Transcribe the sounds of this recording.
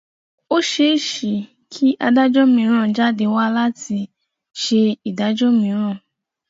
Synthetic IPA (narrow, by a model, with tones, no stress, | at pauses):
o˦ʃe˧˦i˨ʃi˨ | kʰi˦ʔa˧da˦d͡ʒɔ˦mĩ˧˦ɾ̃ã˦˨d͡ʒa˦de˧wa˦la˦tʰi˧ | ʃe˧i˨da˨˦d͡ʒɔ˦mĩ˧˦ɾ̃ã˦˨